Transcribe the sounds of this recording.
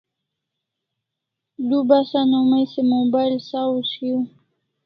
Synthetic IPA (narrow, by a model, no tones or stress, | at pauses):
d̪ubasanomajsemobajlsawsju